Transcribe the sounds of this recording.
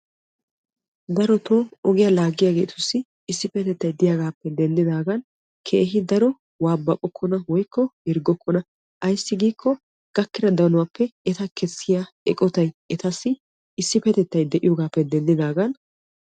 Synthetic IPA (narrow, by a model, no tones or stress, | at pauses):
d̪ɐɾɔt̪oːɔɡɪjalaːɡɪjaːɡe̞ːt̪ʊsːɪ | ɪsːɪpɛt̪ɛt̪ːɐjd̪ɪjaɡaːpːɛd̪ɛnd̪ɪd̪aːɡɐn | kʰe̞ːɦɪd̪ɐɾɔ | waːbːɐkʼɔkʰːɔnɐwɔjkːɔhɪɾɡɔkʰːɔnɐ | ʔɐjsːɪɡiːkʰːɔ | ɡ̥ɐkːɪɾɐd̪ɐnʊwapːɛɛt̪ɐkʰɛsːɪja | ɛkʼɔt̪ɐjɛt̪ɐsːɪ | ɪsːɪpɛt̪ɛt̪ːɐjd̪ɛʔɪjoːɡaːpːɛd̪ɛnd̪ɪd̪aːɡɐn